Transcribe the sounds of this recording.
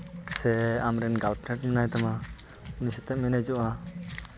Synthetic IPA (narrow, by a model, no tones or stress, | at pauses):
sɛamɾɛnɡalpʰnɛʈmɛnajt̪ama | unisɛt̪ɛʔminɛd͡ʒɔʔa